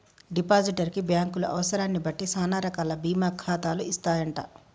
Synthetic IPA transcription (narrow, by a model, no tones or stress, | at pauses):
ɖipaːd͡ʒiʈɐɾkibjaːŋkuluʔɐ̰ʋɐsɐɾaːnːibɐʈːisaːnaːɾɐkaːlɐbiːmaːkʰːaːt̪aːluist̪aːjɐɳʈa̰